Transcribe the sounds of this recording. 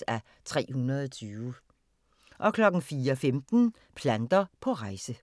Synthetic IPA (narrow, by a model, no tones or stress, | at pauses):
æ | t͡sʰʁɛ̰ːhunɐðˠɒt͡sʰyːʊ | ʔɒ̽kʰlɒ̽ɡ̥n̩fiːɐɒfemd̥n̩ | pʰlænd̥ɐpʰɒ̽ʁɑ̈ɪsə